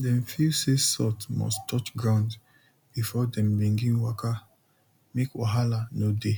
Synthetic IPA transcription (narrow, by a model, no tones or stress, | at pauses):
dɛ̃mfilsesɔtmɔ̰stʰɔt͡ʃɡɹãnd | b̥ifɔdɛ̃mbĩŋɡĩnwaka | mekwɔɦalanode